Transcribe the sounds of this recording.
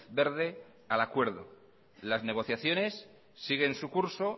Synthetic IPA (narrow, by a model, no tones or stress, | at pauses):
be̞ɾðe̞ | alakwe̞ɾð̞o̰ | lazne̞ɣ̞o̞θjaθjo̞ne̞sː | iɣ̞e̞nsukuɾso̞